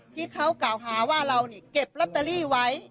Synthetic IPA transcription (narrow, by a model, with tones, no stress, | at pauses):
t̪ʰiː˥˩kʰa˦˥wklaː˨˩wɦaː˩˦waː˥˩ɾa˧wniː˥˩ke˨˩p̚la˦˥t̪ːa˧liː˥˩wa˦˥j